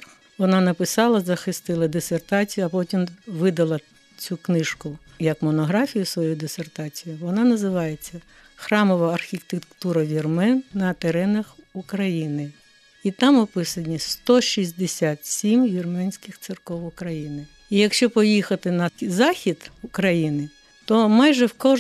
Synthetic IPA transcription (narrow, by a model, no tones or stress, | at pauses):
ʋɔnɑnɐpɪsɑlˠɐzɐxɪst̪ɪlˠɐd̪esert̪ɑt͡sʲijʊɐpɔtʲimʋɪd̪ɐlˠɐ | t͡sʲuknɪʃkʊ | jɐkmɔnɔɦɾɑfʲijʊsʋɔjujd̪esert̪ɑt͡sʲijiʋɔnɑnɐzɪʋɑjet͡sʲːɐ | xɾɑmɔʋɐːrxʲit̪ekt̪uɾɐʋʲirmɛnnɐt̪eɾɛnɐxukɾɐjinɪ | it̪ɑmɔpɪsɐnʲist̪ɔʃizʲd̪esʲat̪sʲimʋʲirmɛnʲsʲkɪxt̪sɪrkɔʋʊkɾɐjinɪ | ijɐkʃt͡ʃɔpɔjixɐt̪ɪnɐzɑxʲid̪̥ukɾɐjinɪ | t̪ɔmɑjʒɛwkɔ